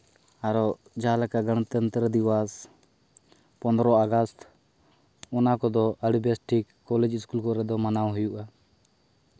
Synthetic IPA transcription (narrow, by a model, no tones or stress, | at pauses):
aɾɔ | d͡ʒalakaɡəɽ̃t̪ənt̪ɾəd̪iwas | pɔnd̪ɾɔaɡast̪ʰ | ɔnakɔd̪ɔʔəɖbɛsʈikːɔlɛd͡ʒiskulkɔɾɛd̪ɔmanawɦujuʔa